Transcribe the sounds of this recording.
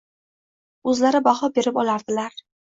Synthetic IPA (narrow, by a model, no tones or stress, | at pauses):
ɵzlaɾɪbaχɒbe̞ɾɪpɒlˠaɾd̪ɪlaɾ